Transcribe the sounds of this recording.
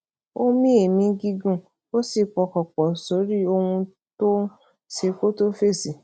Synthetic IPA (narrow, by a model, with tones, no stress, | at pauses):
o˦mĩ˦e˨mĩ˨˦ɡi˧ɡũ˦˨ | o˦si˦˨k͡pɔ˨kɔ˨k͡pɔ˨so˨˦ɾi˦o˧hũ˧ | to˦ | ʃe˧ko˦to˦fe˦˨si˨